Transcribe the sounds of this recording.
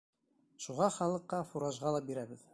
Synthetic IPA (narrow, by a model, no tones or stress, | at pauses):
ʃuʁɑχɑlˠɤ̆qːɑfuɾɑʒʁɑlˠɑbiɾæbɘð